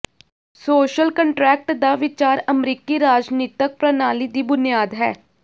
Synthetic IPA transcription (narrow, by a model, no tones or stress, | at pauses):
soːʃəlkəɳʈɾɛːk̚ʈd̪aʋɪt͡ʃaːɾəmɾiːkiɾaːd͡ʒniːt̪ək̚pɾənaːlid̪iːbʊnɪjaːd̪ɦɛː